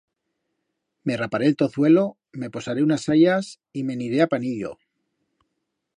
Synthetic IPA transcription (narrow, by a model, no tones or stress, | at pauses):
me̞rapaɾe̞ːlt̪o̞θwe̞lo̞ | me̞po̞saɾe̞unasaʎas | ime̞niɾe̞apaniʎo̞̰